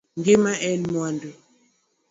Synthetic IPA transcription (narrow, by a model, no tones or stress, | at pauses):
ŋɡemaʔɛnmwandu